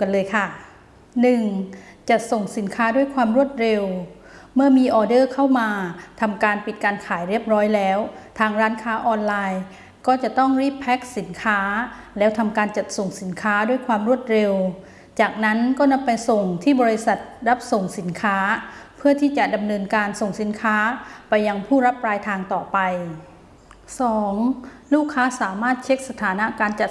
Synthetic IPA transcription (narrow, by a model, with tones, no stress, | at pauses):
ka˧nlɤː˧jkʰa˥˩ | nɯ˨˩ŋt͡ɕa˨˩ʔso˨˩ŋsi˩˦nkʰaː˦˥du˥˩əjkʰwaː˧mɾu˥˩ət̪̚ɾe˧w | mɯ˥˩ɐmiː˧ʔɔː˧dɤː˥˩kʰa˥˩wmaː˧t̪ʰa˧mkaː˧npi˨˩t̪̚kaː˧nkʰaː˩˦jɾi˥˩əp̚ɾɔː˦˥jlɛː˦˥wt̪ʰaː˧ŋɾaː˦˥nkʰaː˦˥ʔɔː˧nlaː˧j | kɔː˥˩t͡ɕa˨˩t̪ɔ˥˩ŋɾiː˥˩pʰːɛː˦˥k̚si˩˦nkʰaː˦˥ | lɛː˦˥wt̪ʰa˧mkaː˧nt͡ɕa˨˩t̪̚so˨˩ŋsi˩˦nkʰaː˦˥du˥˩əjkʰwaː˧mɾu˥˩ət̪̚ɾe˧w | t͡ɕaː˨˩k̚na˦˥nkɔː˥˩na˧˥mpa˧jso˨˩ŋt̪ʰiː˥˩bɔː˧i˧˥sa˨˩t̪̚ɾa˦˥p̚so˨˩ŋsi˩˦nkʰaː˦˥pʰɯ˥˩ɐt̪ʰiː˥˩t͡ɕa˨˩ʔda˧mnɤː˧nkaː˧nso˨˩ŋsi˨˩˦nkʰaː˦˥pa˧jːa˧ŋpʰuː˥˩ɾa˦˥p̚ɾaː˧jt̪ʰaː˧ŋt̪ɔː˨˩pa˧j | sɔː˩˦ŋ | luː˥˩kʰːaː˦˥saː˩˦maː˥˩t̪̚t͡ɕʰe˦˥k̚sa˧t̪ʰaː˩˦na˦˥ʔkaː˧nt͡ɕa˨˩